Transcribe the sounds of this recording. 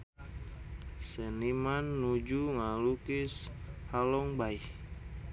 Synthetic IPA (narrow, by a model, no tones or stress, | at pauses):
sənimanːud͡ʒuŋalukishalɔŋbaih